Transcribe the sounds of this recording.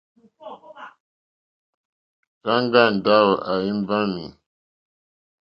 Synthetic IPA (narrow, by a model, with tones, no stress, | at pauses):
ka˦ŋɡa˦˨n˨da˦wo˨ʔa˨ji˦mba˦mi˨